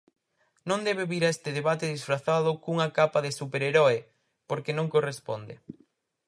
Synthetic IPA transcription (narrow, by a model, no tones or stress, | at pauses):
nõnd̪ɛβeβiɾaest̪ɪðeβat̪ɪðisfɾaθaðʊkuŋakapaðɪsupeɾeɾɔe | poɾkenõŋkorespond̪ɪ̰